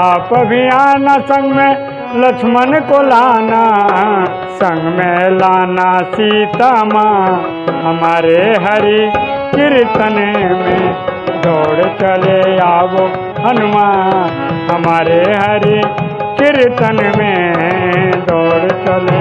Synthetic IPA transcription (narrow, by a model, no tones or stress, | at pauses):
aːpbʱiaːnasə̃ŋɡmẽ | lɐkʃʰmənkolaːna | sə̃ŋɡmẽlaːnasiːt̪amaː | ɦɐmaːɾeɦɐɾikɪɾɪt̪ənmẽd̪ʱɔːɽt͡ʃɐleaːbo | ɦɐnʊmaː | ɦɐmaːɾeɦɐɾi | kɪɾɪt̪ənmẽ | d̪ɔːɽt͡ʃɐle